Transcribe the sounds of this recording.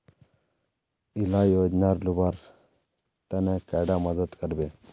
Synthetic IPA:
ilajoːd͡ʒnaɾlubaɾ | t̪ɐnekɛɖaməd̪əd̪kəɾbe

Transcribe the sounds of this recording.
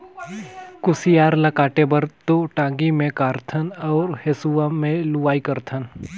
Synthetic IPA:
kʊsijaːɾlakaːʈebəɾt̪oʈãːŋɡimẽkaːɾt̪ʰənɔːɾhesuʋamẽlʊʋaːikəɾt̪ʰən

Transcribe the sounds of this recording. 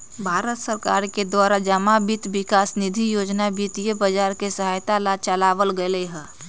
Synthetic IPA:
bʱaːɾət̪səɾka̰ːɾked̪waːɾad͡ʒəmabit̪bɪkaːsnid̪ʱijoːd͡ʒnabit̪ijəbəd͡ʒaːɾkesəɦajt̪alat͡ʃəlaːʋəlɡəleɦɛ̃ː

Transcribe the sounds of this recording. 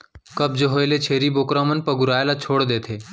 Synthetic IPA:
kɐb̚d͡ʒəɦoelet͡ʃʰeːɾiboːkɾãːmənpɐɡʊɾaːjelat͡ʃʰoːɽd̪eːt̪ʰeː

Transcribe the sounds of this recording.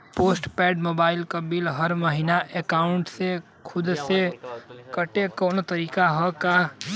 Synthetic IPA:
poːsʈpɛːɖmoːbaːɪlkabilɦəɾməɦinaʔekaːʊɳʈse | kʰʊd̪sekəʈekɔːnot̪əɾiːkaɦɔka

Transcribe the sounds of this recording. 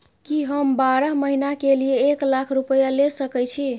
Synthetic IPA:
kiɦəmbaɾəɦməɦinakelijeːklakʰɾupəjalesəkɛt͡ʃʰi

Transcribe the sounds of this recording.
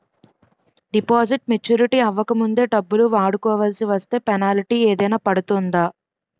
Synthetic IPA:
ɖipaːsiʈ̚met͡ʃuːɾiʈiːɐʋːɐkɐmund̪e̞ːɖɐbːuluʋaːɽukɔːʋɐlɐsiʋɐst̪e̞ːpɛnaːliʈiːeːd̪ɐjnaːpɐɽut̪und̪aː

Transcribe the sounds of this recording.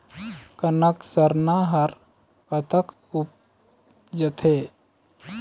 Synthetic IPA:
kənəksəɾnaɦɐɾ | kət̪ʰək | up̚ | d͡ʒət̪ʰe

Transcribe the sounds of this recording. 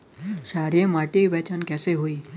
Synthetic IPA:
ɕaɾjəmaʈiʋɛt͡ɕankɛseɦoi

